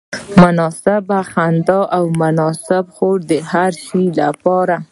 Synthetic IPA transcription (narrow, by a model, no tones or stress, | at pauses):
mʊnɑsɪbaxand̪ɑʔawmʊnɑsɪbxoɽd̪əhaɾʃilapɑɾa